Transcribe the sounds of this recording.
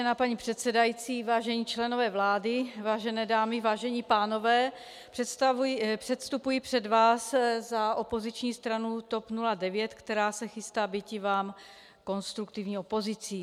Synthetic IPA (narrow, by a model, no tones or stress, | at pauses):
ɛnaːpaɲiːpr̥ɛt̪sɛdajit͡siːvaːʒɛɲiːt͡ʃlɛno̞vɛːvlaːdɪvaːʒɛnɛːdaːmɪvaːʒɛɲiːpaːno̞vɛː | pr̥ɛt̪apr̥ɛt̪st̪upujipr̝̥ɛdvaːszaʔo̞po̞zɪt͡ʃɲiːst̪ɾanut̪o̞pnuladɛvjɛt̪kt̪ɛɾaːsɛxɪst̪aːbɪcɪvaːm | ko̞nst̪ɾukt̪ɪvɲiːopo̞zɪt͡siː